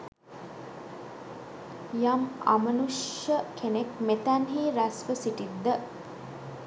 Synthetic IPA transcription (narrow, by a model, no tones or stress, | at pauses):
jama̰mənuʂjəkʰenekmet̪ænɦiːɾæsʋəsiʈid̪ːə